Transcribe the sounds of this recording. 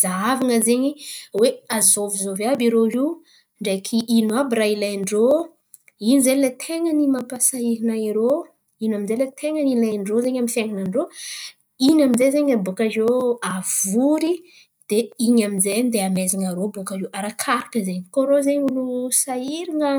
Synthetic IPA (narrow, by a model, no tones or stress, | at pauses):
zaavaŋəzeɲiweazovizovabiɾoɦi | ɳɖ͡ʐekʰiʔinuabiɾailajɳɖ͡ʐo | inizelet̪ʰeŋənimapasaiɾinaiɾo | inaminzelet̪ʰeŋənilajɳɖ͡ʐozeɲamifjeŋanaɳɖ͡ʐo | inaminzezeɲabukazoavuɾi | d̪̥eiɲaminzeɲid̪eamezaŋaɾobukaɦiʔaɾakʰaɾakəzeɲkoɾozeɲilusaiɾiŋə